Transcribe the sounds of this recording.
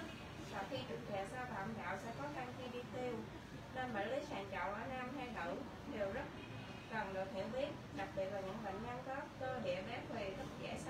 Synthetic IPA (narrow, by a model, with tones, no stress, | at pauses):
sɔ˧xi˧t͡ɕɨ˨˩ŋ̚t̪ʰɛː˨˩saː˧t̪a̰ː˧˨mɗa̰ː˧˨wsɛ̰˧˥kɔ˨˦˧ʔa˧ŋxi˧ɗi˧t̪i˧əw | ne˧nɓa̰ː˧˨jli˨˦saː˨˩nt͡ɕɔ̰˧˨wʔəː˧˩naː˧mɦa˧jɗə̰˧˩˨ | ɗe˨˩wzə˦˥t̚ | kə˨˩nɗɨ˨˩ək̚hḭ˧˩əwɓi˦˥ət̚ɗa˨˩k̚ɓi˨˩ət̚laː˨˩ɲɨ̰˧˥ŋɓə̰˧˨ŋ̟ɲa˧ŋkə˦˥p̚kəː˧ɗḭ˧˨əvɛ˨˦t̪ʰwe˨˩t̪ʰə˦˥t̚zɛ̰˧˩s